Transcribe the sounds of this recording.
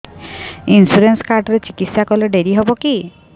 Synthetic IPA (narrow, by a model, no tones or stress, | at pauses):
insuɾenskaɾɖɔɾet͡ʃikit̪sakɔleɖeɾiɦɔbɔki